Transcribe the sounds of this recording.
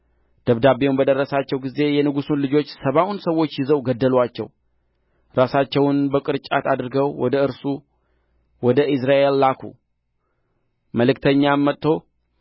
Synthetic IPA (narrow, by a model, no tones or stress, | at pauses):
d̪̥əβd̪abeumbəd̪ərːəsat͡ʃːɛwɡize̞jɛnɨɡusunlɨd͡ʒo̞t͡ʃːsəβawunsəwo̞t͡ʃːjɪzəwɡəd̪ːəlwat͡ʃːɛ̰w | ɾasat͡ʃːɛwʊnbəkʼɨɾt͡ʃʼat̪ʰad̪ɨɾɨɡəwwɔd̪əɨɾsu | wɔd̪əʔɪsɾaʔe̞lːakʰṵ | məlɨkt̪ʰəɲːamːət̪ʼːo̞